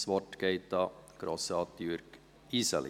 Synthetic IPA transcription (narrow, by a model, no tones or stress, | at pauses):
sʋɔʈɡ̥eɪt̪ɑɡ̥ɾɔsɑːt̪jʉɾk | iːsə̰l̰